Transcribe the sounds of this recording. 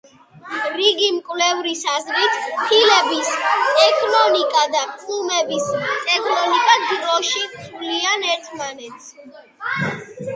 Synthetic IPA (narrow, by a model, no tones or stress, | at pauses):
ɾiɡimkʼvlɛvɾisazɾit̪ʰpʰilɛbist̪ʼɛkʼnɔnikʼad̪apʰumɛbist̪ʼɛkʰʼnɔnikʼad̪ɾɔʃitulianɛɾt̪ʰmanɛt̪sʰ